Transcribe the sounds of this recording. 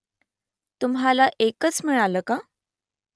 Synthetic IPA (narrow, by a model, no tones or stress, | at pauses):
t̪umɦalaʔekət͡sm̤iɭaləka